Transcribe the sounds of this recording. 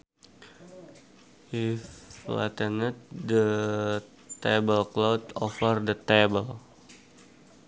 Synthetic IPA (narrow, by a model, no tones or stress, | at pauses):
ifla̰t̪ənət̪̚də | t̪ebəlklowt̪ɔfərdət̪ebəl